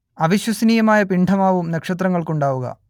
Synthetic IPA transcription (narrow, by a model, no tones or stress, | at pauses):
ɐʋiɕwɐsɐniːjɐmaːjɐpiɳɖʰʱɐmaːʋumnɐkʂɐt̪rɐŋːɐɭkuɳɖaːʋuɣɐ̰